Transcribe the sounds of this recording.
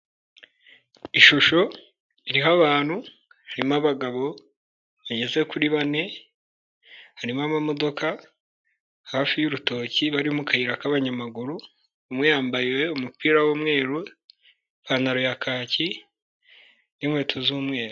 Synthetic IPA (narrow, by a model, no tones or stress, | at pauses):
iʃuʃo̞ | iɾiɦaβaːnhu | haɾimaβaɡaβo̞ | βaɟe̞ze̞kuɾiβane̞ | haɾimamamo̞do̞kʰa | haːfijuɾuto̞ciβaɾiumukahiɾakaβaɲamaɡuɾuː | mŋejaːmbajwe̞umupiːɾawuːmŋe̞ːɾu | βanaɾojakʰaːci | nimhwe̞ːtʰozuːmŋe̞ːɾu